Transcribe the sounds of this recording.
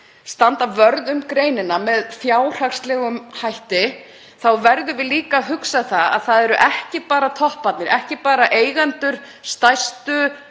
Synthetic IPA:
st̪ant̪avœɾðʏmkɾeːjnɪnamɛðθjaːwr̥axst̪lɛːɣʏmhajht̪ɪ | θawvɛɾðʏvɪðliːkaɦʏksaθaa̰ðθaðɛɾʏʔɛhcɪpaːɾat̪ʰɔhpat̪nɪɾʔɛhcɪpaːɾaʔeːjɣant̪ʏɾ̥ | st̪ajst̪ʏ

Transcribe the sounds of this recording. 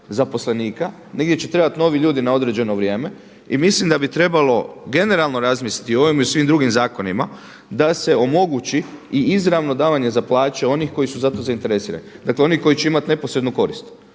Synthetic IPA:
zapo̞sle̞niːka | neɡdʲjet͡ɕet̪ɾe̞bat̪no̞ʋiʎuːd̪inao̞d̪ɾe̞d͡ʑe̞no̞ʋɾʲje̞ːme̞ | imislimd̪abit̪ɾe̞balo̞ɡe̞ne̞ɾalˠno̞ɾazmiːslit̪io̞ʋimiusʋimd̪ɾuɡimzaːko̞nima | d̪ase̞o̞mo̞ɡut͡ʃiiizɾaʋno̞d̪aːʋaɲe̞zaplaːt͡ʃe̞o̞nixko̞jisuzat̪o̞zaint̪e̞ɾesiːɾa̰nid̪akleo̞niko̞it͡ʃe̞imat̪ne̞posɾed̪nuko̞ɾist̪

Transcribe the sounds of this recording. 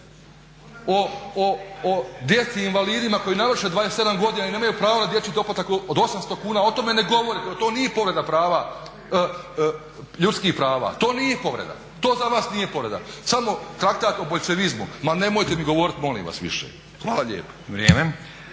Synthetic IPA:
ooː | d̪jet̪siːnʋaliːd̪imako̞jinaʋr̩ʃed̪ʋaːjest̪e̞d̪amɡo̞d̪iːnaineːmajupɾaːʋonad̪je̞tsid̪o̞plat̪akood̪o̞samst̪o̞kuːnaːo̞t̪o̞me̞neɡo̞ʋoɾit̪eot̪o̞ːnije̞po̞ʋɾe̞d̪apɾaːʋa | ʎut̪skihpɾaːʋa̰ːt̪o̞ːnijepo̞ʋɾḛd̪a̰ | t̪o̞ːzaʋaːsnije̞po̞ʋɾe̞d̪a̰samo̞t̪ɾak̚t̪aːt̪oboʎʲt͡ʃe̞ʋizmṵmane̞mo̞jt̪emiɡo̞ʋo̞ːɾit̪mo̞lḭːmʋa̰sʋḭʃḛ | xʋaːlˠaʎḛːpo̥ʋɾjeːme

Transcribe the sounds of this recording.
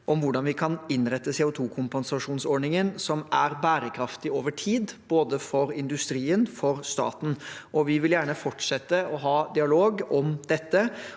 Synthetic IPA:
ʔɔmʋʊɖɑnʋɪkʰɑnɪnɾɛt̪ːəsɛːʊt̪ʰuːkʰʊmpɑnsɑʂuːnsɔɖɳnɪŋənsɔmʔæɾbæːɾəkʰɾɑft̪ɪoːʋəʈʰiːd̪b̥oːd̪əfɔɾɪnd̪ʉst̪ɾiːənfɔɾst̪ɑ̰ːt̪n̩ʔɔʋɪʋɪljæːɳəfɔʈʂɛt̪ːəɔɦɑːd̪ɪɑloːɡɔmd̪̥ɛt̪ːə

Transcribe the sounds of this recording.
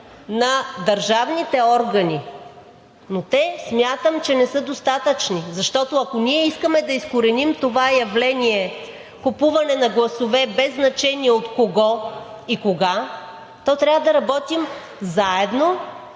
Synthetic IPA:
nɐd̪ɐɾʒavnit̪ɛɔɾɡɐni | not̪ɛsmʲjat̪əmt͡ʃɛnɛsɤd̪ost̪at̪ət͡ʃnizɐʃt̪ɔt̪oɐkoniɛiskəmɛd̪ɐiskoɾɛnimt̪ovajɐvlɛniɛ | kopuvɐnɛnɐɡlˠɐsovɛbɛzːnɐt͡ʃɛniɛot̪koɡɔ | ikoɡa | t̪ɔt̪ɾʲavəd̪ɐɾɐbɔt̪im | zaɛd̪no

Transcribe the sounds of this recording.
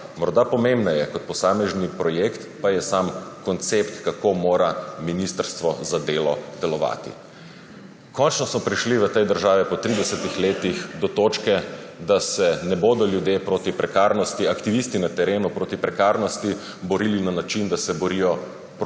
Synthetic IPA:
mɔɾd̪apɔmembnajɛkɔt̪̚pɔsaːmɛʒnipɾɔjekt̪pajɛsamkɔnt̪sept̪kakomoːɾaminist̪əɾst̪ʋɔzad̪eːlɔd̪̥ɛlɔʋa̰ːt̪ḭ | kɔnt͡ʃnɔsmɔpɾiʃliʋət̪ɛjd̪əɾʒaːʋɛpɔt̪ɾid̪ɛsət̪ixleːt̪ixd̪ɔt̪ot͡ʃkɛ | d̪asɛnɛboːd̪ɔljud̪jepɾoːt̪ipɾɛkaːɾnɔst̪iakt̪iʋist̪inat̪ɛɾeːnupɾoːt̪ipɾɛkaːɾnɔst̪i | bɔɾilinanat͡ʃind̪asɛbɔɾijɔ | p

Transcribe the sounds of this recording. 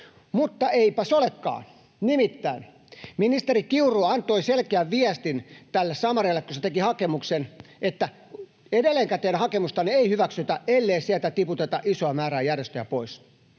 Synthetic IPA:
mut̪ːɑeipæsolekːɑ̰ː | nimit̪ːæin | minist̪erikiuroːɑnt̪oiselkeæʋʋiæst̪int̪ælːessɑmɑrilːekkuset̪ekihɑkemuksenʔet̪ːæ | edelːeŋkæt̪einæhɑkemust̪ɑnieihyʋæksyt̪æʔelːeisiælt̪æt̪iput̪et̪ɑʔisoɑmæːɾæːjærjest̪øjæpois

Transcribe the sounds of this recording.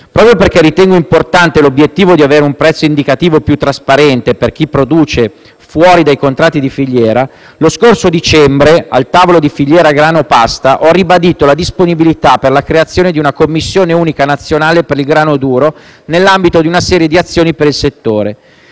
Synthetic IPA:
pɾɔːpɾjoperk̟ɛrːit̪ɛŋɡoimport̪ant̪elobjet̪ːiːvod̪iaveːɾeumpɾɛt̪sːoind̪ikat̪iːvopjut̪ːɾaspaɾɛnt̪eperk̟ipːɾod̪uːt͡ʃe | fwɔːɾid̪ajkont̪ɾat̪ːid̪ifiʎːɛːɾa | loskorsod̪it͡ʃɛmbɾea̰lt̪aːvolod̪ifiʎːɛːɾaɡɾaːnopast̪aʔɔrːibad̪iːt̪olad̪isponibilit̪apːerlakɾeat̪sːjoːned̪iunakomːisːjoːneuːnikanat̪sːjonaːlepeɾilɡɾaːnod̪uːɾo | nelːambit̪od̪iunasɛːɾjed̪iat̪sːjoːnipeɾilset̪ːoːɾe

